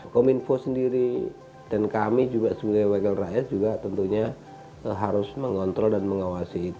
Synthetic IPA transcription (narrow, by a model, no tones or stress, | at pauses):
kominfosəndiɾi | d̥ankamid͡ʒuɡasəbuɡajwakɛlrajat̪̚d͡ʒuɡat̪ənt̪uɲa | ɦaɾʊsməŋɔnt̪ɾɔldanməŋawasiːt̪u